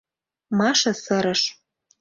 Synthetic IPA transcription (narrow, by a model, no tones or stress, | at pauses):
mɑʃɤ̆sɤ̆ɾɤ̆ʃ